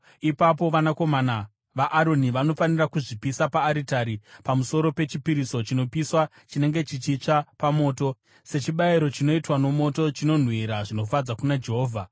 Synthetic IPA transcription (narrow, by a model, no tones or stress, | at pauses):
ipap̬o̞ʋanako̞mana | ʋaʔːɾo̞niʋano̞fanirakuʐipisapaːɾitaɾipamuso̞ɾo̞pe̞t͡ʃipiɾiso̞t͡ʃino̞piswa | t͡ʃine̞ŋɡe̞t͡ʃit͡ʃit͡ʂapamo̞ːto̞ | se̞t͡ʃiɓaiɾo̞t͡ʃino̞itwano̞mo̞to̞t͡ʃino̞n̤wiɾaʐino̞fad͡zakunad͡ʒe̞ɦo̞ːvʱa